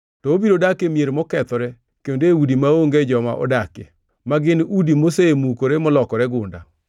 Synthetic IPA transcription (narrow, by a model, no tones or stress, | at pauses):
tɔobiɾodakemjeɾmɔkɛt̪ɔɾɛ | kendeudimaoŋɡed͡ʒɔma̰ʔɔ̰dake | maɡɪnudimosemukoɾemɔlɔkɔɾɛɡʊnda̰